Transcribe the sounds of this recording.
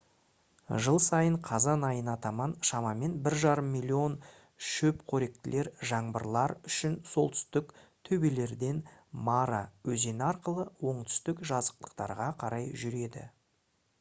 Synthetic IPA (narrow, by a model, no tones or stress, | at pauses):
ʒəlˠsɑjəɴqʰɑzɑnɑjənɑt̪ɑmɑnʃɑmɑme̞nbɪɾʒɑɾəmːilʲˠːio̞n | ʃɵpkʰɵɾe̞k̚t̪ɪlʔe̞ɾʒɑɴbəɾlˠɑɾʏʃɪnso̞lˠt̪ʰʏ̥st̪ɪkt̪ʰɵbe̞le̞ɾd̪e̞nmɑɾɑwɵze̞nɪɑɾqəlˠəwo̞ɴt̪ʰʏ̥st̪ɪkʒɑzə̥q̚t̪ə̥qt̪ɑ̰ɾʁɑqʰɑɾɑjʒʏɾe̞d̪ɪ̰